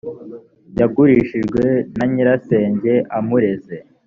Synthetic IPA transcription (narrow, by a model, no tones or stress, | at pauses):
jaɡuɾiʃiʒɡwe̞naɲiɾase̞ːɲɟe̞ʔamuɾe̞ze̞